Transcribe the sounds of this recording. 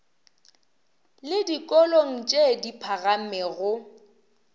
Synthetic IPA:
lɪdikʼɔloŋ̩t͡ʃʼedipʰaɣamɛɣʊ

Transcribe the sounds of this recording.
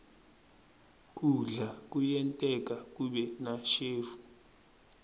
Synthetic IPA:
k̬ʼuɮak̬ʼujɛntʼɛk̬ʼak̬ʼuɓɛnaʃeːfu̥

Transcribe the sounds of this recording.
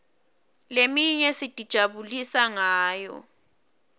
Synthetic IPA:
lemiɲɛsid̥ʱid̥ʒ̥ʱaβulisaŋaːjɔ̰

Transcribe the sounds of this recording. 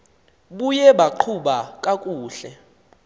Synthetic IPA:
ɓujɛɓaǃʰuɓakʼakʼuːɬɛ

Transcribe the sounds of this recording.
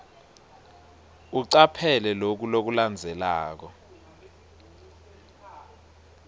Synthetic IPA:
uǀapʰɛlɛlok̬ulok̬uland͡zʱɛlaːk̬ɔ

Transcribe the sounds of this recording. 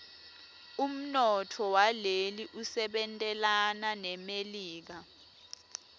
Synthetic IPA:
um̩nɔtʰɔwaleliʔusɛɓɛntʼɛlananɛmeliːk̬a

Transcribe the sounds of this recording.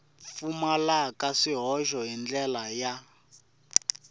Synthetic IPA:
fumalakaʂiɦɔʃɔɦind͡ɮɛlaja

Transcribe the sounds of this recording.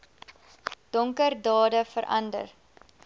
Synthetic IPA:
d̥ɔŋkərdɑːdəfəɾʔɐ̰ndə̰r

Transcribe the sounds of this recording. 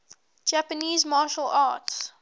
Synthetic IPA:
d͡ʒæpəniːzmaːʃəlʔaːts

